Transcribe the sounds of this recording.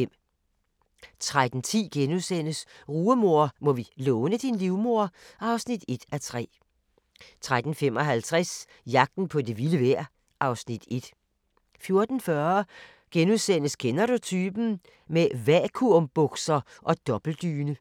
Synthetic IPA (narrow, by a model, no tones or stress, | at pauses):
m̰ | t͡sʰʁad̥n̩t͡sʰḭːɡ̥enuðˠsen̰əsʁuːəmo̝ɐ̰mɔ̽ʋilɔːnəd̥inliʊmo̝ɐɑ̈ʊsnid̥e̝d̥æt͡sʰʁɛ̰ː | t͡sʰʁad̥n̩fem̰ɒ̽ɦælt͡sʰʁɛs | jɑ̈ɡ̥̚d̥n̩pʰɒ̽d̥e̝ʋiləʋæɐ̰ | ʔɑ̈ʊsnid̥e̝d̥ | fjo̝ɐd̥n̩fɶɐɐ | ɡ̥enuðˠsen̰əskʰenɐd̥ut͡sʰyːb̥n̩ | meʋækʰuɐ̰mb̥ɔɡ̥sɐʔɒ̽d̥ɒ̽b̥l̩d̥yːnə